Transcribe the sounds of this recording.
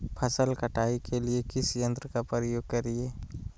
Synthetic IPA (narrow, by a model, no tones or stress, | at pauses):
pʰəsəlkəʈaːikʰeliekɪsjə̃nt̪ɾəkapɾɾəjoːɡ̚kəɾieː